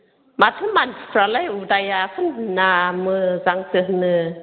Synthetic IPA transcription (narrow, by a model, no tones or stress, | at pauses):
matʰɯmanipɾalajudajakʰɯnnamɯzaŋsɯhnɯ